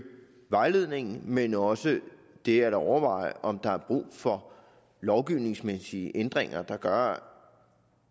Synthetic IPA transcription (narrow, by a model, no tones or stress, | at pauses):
ʋɑ̈ɪle̝ð̰ˠne̝ŋn̩menɒ̽sə | d̥e̝æɾɒʊɐʋɑ̈ɪ̰ʔɒ̽md̥ɑ̈æɐb̥ʁṵːfɒ̽ | lɒʊɡ̥iʊne̝ŋsmesiəʔend̥ʁeŋɐd̥ɑ̈ɡ̥ɶɐ